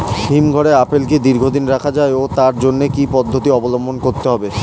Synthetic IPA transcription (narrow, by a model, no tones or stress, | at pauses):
ɦimɡʱɔɽeapelked̪iɾɡʱod̪inɾakʰad͡ʑaeot̪aɾd͡ʑonːekipɔd̪ʱːot̪iɔbolombʱonkoɾt̪eɦɔbe